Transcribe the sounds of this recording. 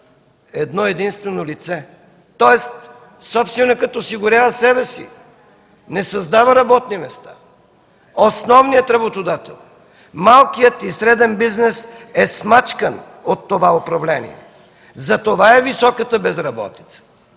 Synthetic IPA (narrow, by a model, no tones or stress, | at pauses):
ɛd̪nɔɛd̪inst̪vɛnolit̪sɛ | t̪ɔɛst̪ | sɔpst̪vɛnɛkət̪oːsiɡʊɾʲjavəsɛbɛsḭ | nɛsɐzd̪avəɾɐbɔt̪nimɛst̪a | osnɔvnijət̪ɾɐbot̪od̪at̪ɛ̰lˠ | malˠkijət̪isɾɛd̪ɛnbiznɛsɛsmat͡ʃkən | ot̪ːovaopɾɐvlɛnḭɛ̰ | zɐt̪ovaɛvisɔkət̪əbɛzɾɐbɔ̰t̪i̥t̪sə̥